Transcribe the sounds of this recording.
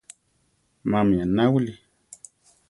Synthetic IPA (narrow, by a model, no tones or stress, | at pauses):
mamianawuli